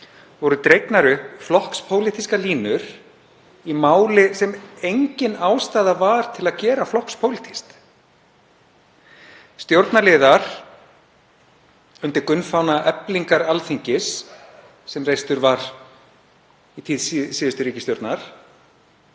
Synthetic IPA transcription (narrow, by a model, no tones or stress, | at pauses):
vɔɾʏt̪ɾejknaɾʏhpflɔhkspʰoːwlit̪ʰiskaliːnʏɾ̥ | imaːwlɪsɛmejɲcɪnaːwst̪aːðavaɾ̥t̪ʰɪlaðcɛːɾaflɔhkspʰowlit̪ʰi̥st̪ | st̪jowɾt̪naɾlɪːðaɾ̥ | ʏnt̪ɪɾkʏnfawnaʔɛpliŋkaɾalθiɲcɪsː | ɛmrejst̪ʏɾvaɾ | it̪ʰiðssiːðʏst̪ʏɾiːcɪsjowɾt̪naɾ̥